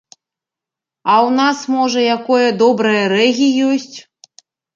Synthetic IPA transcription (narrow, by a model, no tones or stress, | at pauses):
ɐwnasmɔʐɐjakɔjɐd̪ɔbɾɐjɐɾɛɣʲijɔsʲt͡sʲ